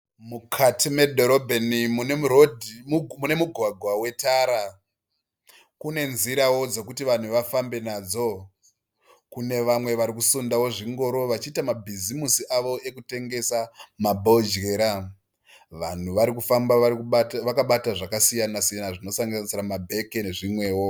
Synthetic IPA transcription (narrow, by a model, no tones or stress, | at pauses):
mukʰatime̞dʱoɾobʱenimuneuɾodʱimune̞muɡʱwaɡʱwawe̞taɾa | kune̞nziɾawo̞d͡ze̞kutiʋan̤uʋafambe̞nad͡zo̞ | kune̞ʋamwe̞ʋaɾikusundawo̞ʐiŋɡo̞ɾo̞ʋat͡ʃiːtamabʱizimusiʔaʋo̞ʔe̞kute̞ŋɡe̞samabʱold͡ʒɡe̞ɾa | ʋan̤uʋaɾikufambaʋakaɓataʐakasijanasijanaʐino̞saŋɡanisiɾamabʱe̞keneʐimwe̞ːwo̞